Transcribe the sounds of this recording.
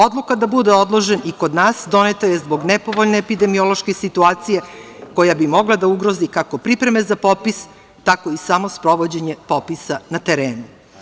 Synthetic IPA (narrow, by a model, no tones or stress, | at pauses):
o̞d̪lˠukad̪abud̪eo̞d̪lˠo̞ʒe̞nʔikod̪naːsd̪o̞net̪aje̞zbo̞ɡnɛpo̞ʋoʎneːpid̪e̞mio̞lˠoʃkesit̪uaːt̪sije̞ko̞jabimo̞ɡlˠad̪auɡɾo̞zikakopɾipɾe̞me̞zapo̞pis | t̪ako̞isamo̞spɾo̞ʋod͡ʑe̞ɲe̞po̞pisanat̪eɾeːnu